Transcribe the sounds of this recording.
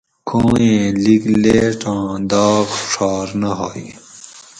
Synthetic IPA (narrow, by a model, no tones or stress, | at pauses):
kʰõːẽːlikleʈãːd̪aːkʂaːɾnɐɦoːi